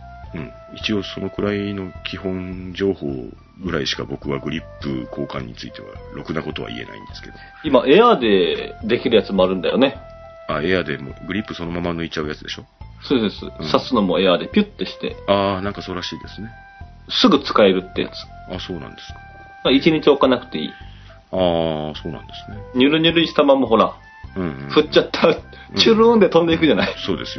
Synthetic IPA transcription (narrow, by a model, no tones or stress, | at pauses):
ɯ̟̃ɴ | it͡ɕio̞so̞no̞kɯ̟ɾaino̞kʲʰihõ̞nd͡ʑo̞ːho̞̰ː | ɡɯ̟ɾaiɕi̥kabo̞kɯ̟βaɡɯ̟ɾʲipːɯkʰo̞ːkã̰ɲ̟ːit͡sɨit̪e̞βa̰ɾo̞kɯ̟nako̞t̪o̞βa̰ḭe̞̰na̰ḭ̃nd̪e̞sɨ̥ke̞d̪o | imaʔe̞ad̪e̞d̪e̞kʲiɾɯ̟jat͡sɨmo̞aɾɯ̟̃nd̪ajo̞ne̞ | ae̞ad̪e̞mo̰ɡɯ̟ɾʲipːɯ̟so̞no̞mamanːo̞it͡ɕːaɯ̟jat͡sɨd̪e̞ɕo̞soːd̪esɨ̰sasɨno̞moe̞ad̪e̞pʲɨt̪ːe̞ɕi̥t̪e̞̰aːnãŋkasoːɾaɕiːd̪e̞sɨne | sɨɡɯ̟t͡sɨ̥kae̞ɾɯ̟t̪ːe̞ja̰t͡sɨ̥ | aso̞ːnã̰nd̪esɨ̥kḁ | nait͡ɕiɲ̟it͡ɕio̞kanakɯ̟̥t̪e̞ḭː | aːso̞ːnã̰nd̪esɨ̥neɲ̟ʲɨɾɯ̟ɲʲɨɾɯ̟iɕi̥t̪amamoɦo̞ɾa | ɯ̃ɸɯ̟t͡ɕt͡ɕːat̪ʰːa | t͡ɕɨːɾɯɯ̃nd̪et̪õ̞nd̪e̞ikɯ̟ʑanaisoːd̪esɨjo